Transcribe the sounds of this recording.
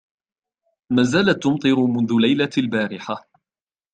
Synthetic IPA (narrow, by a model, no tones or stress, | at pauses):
maːzaːlat̪ːʊmt̪ˤɨɾʊmʊnðʊlajlalbaːɾɪħa